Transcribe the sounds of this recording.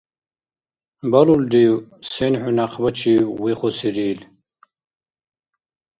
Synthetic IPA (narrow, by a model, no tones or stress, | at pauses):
bɐluld̪iwsenħʊnaqʰbɐt͡ʃʰiwwiχʷɔsiɾiːl